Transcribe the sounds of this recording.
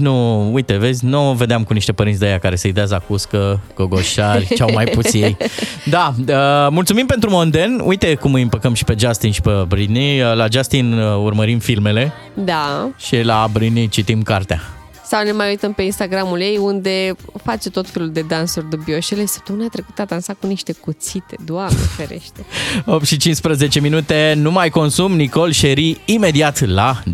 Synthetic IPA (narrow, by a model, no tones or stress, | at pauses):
nuujt̪e̞ve̞zʲnove̞d̪eamkuniʃt̪e̞pəɾint̪sʲd̪ejakaɾe̞səjd̪eazakuskəɡ̥oɡo̞ʃarʲawmajpusjejd̪aəmult̪sumimpe̞nt̪ɾumond̪e̞nʔṵjt̪e̞kumɨjɨmpəkəmʃi̥pe̞d͡ʒast̪inʃi̥pebɾinilad͡ʒast̪inurməɾimfilme̞le̞ | d̪aʃilabɾinit͡ʃit̪imkart̪ea̰ | sawne̞majujt̪əmpe̞inst̪aɡɾamulje̞jund̪e̞fat͡ʃet̪o̞t̪feluld̪e̞d̪ansurʲd̪ubioʃelejsə̥p̚t̪ounat̪ɾe̞ku̥t̪ad̪ansakuniʃt̪e̞kut̪sit̪e̞d̪oamnefeɾe̞̰ʃt̪eo̞p̚t̪ʃit͡ʃinspɾəze̞t͡ʃe̞minut̪e̞numajko̞nsumniko̞lʃeɾiːme̞d̪iat̪la